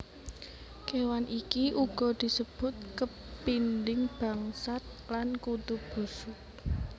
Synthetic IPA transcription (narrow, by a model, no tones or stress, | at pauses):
kewanʔikiʔuɡ̥ɔ̤d̪̥i̤səb̥ʊ̤t̪̚kə | pindɪŋb̥a̤ŋsat̪̚lankut̪ub̥usʊk